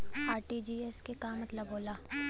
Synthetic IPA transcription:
aːɾʈid͡ʒiːɛskekamɐt̪ləboːlaː

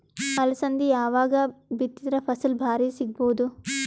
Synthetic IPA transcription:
ɐlɐsɐnd̪ijaːʋaːɡɐbit̪ːid̪ɾɐpʰɐsɐlbʱaːɾiːsiɡ̚boːd̪u

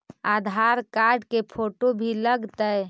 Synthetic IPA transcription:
ad̪ʱaɾkaɾɖkepʰoʈobʱiləɡt̪əj

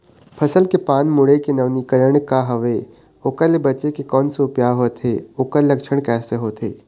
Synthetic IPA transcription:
pʰɐsəlkepaːnmʊɽekenɐʋnikəɾəɳ̃kaɦɐʋe | okəlebɐt͡ʃekekɔːnsopjaɦoːt̪ʰeokəlːɐkʃʰəɽ̃kɛːseɦoːt̪ʰḛː

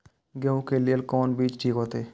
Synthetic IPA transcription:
ɡə̃ũkelɪəlkɔːnbiːt͡ʃʈʰiːkɦoːt̪eː

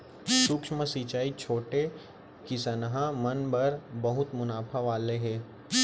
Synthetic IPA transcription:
sʊkʃməsit͡ʃaːit͡ʃʰoːʈe | kɪsənəɦãmɐnbɐɾbɐɦʊt̪mʊnaːpʰaʋaːleɦɛ̃ː

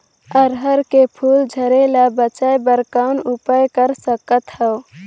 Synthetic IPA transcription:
əɾɦəɾkepʰuld͡ʒʱəɾelabət͡ʃajbəɾkaʊnupəjkəɾsəkət̪həʊ

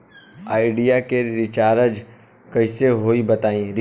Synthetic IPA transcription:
a̰ːɪɖijakeɾɪt͡ʃaːɾəd͡ʒ | kɐɪseɦoːibɐt̪aːĩɾ

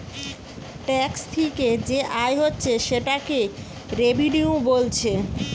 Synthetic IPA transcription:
ʈɛkst̪ʰiked͡ʑeʔaejɦotːɕʰeʃeʈake | ɾebʱiniubolt͡ɕʰe

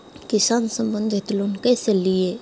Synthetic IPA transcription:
kɪsaːnsə̃mbə̃nd̪ʱɦɪt̪lonkeselie

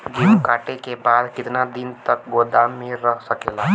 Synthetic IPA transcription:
ɡimkaːʈekebaːd̪kɪt̪nad̪ɪnt̪ək̚ɡoːd̪amːẽɾːəɦsəkeːla

